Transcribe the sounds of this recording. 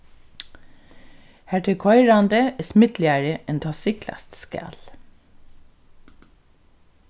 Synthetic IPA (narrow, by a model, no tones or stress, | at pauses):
hæʈʰəkʰɔʏɾɑnd̪əɛsmɪd̪lɪɑɹəɛnt̪ʰɑːsɪklɑ̰st̪skæ̰ːl